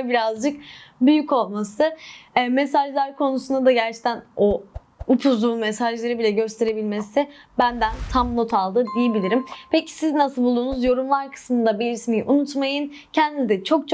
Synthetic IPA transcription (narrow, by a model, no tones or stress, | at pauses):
biɾazd͡ʒɯk̚byjyco̞lˠmasɯme̞saʒlˠæɾkʰo̞nusund̪ad̪aɟæɾt͡ʃʰe̥t̪ʰæno | upʰuzlˠuːmme̞saʒlˠeɾɯbilʲɛɟø̞st̪ʰe̞ɾe̞bilʲmesɪbænd̪ænt̪ʰamno̞t̪ʰalˠd̪ɯd̪ijebilʲiɾimpʰe̞cʰi̥siznasɯlˠbulˠd̪uːnuzjo̞ɾumlˠaɾkʰɯ̥smɯnd̪abiɾismijʔunut̪majɯn | cʰɛnd̪iizd̪ɛt͡ʃʰo̞k̚t͡ʃʰ